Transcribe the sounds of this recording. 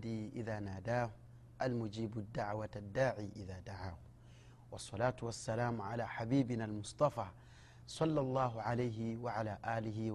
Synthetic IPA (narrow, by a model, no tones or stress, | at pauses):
d̪iʔɪðaːnaːd̪aːh | ʔalmʊd͡ʒiːbʊd̪ːaʕwad̪ːaːʕiːʔɪðaːd̪aʕaːh | wɑsˤːɑlaːt̪wasːalaːmʕalaːħabiːbɪnalmʊsˤt̪ˤɑfaː | sˤɑlːɑlˤːɑːɦʕalajɦɪwaʕalaːʔaːlɪɦɪ